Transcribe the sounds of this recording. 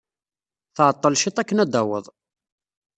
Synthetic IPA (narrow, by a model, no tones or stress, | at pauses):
θʕət̪ˤːəlʃit̪ˤækːənæd̪æwə̰ðˤ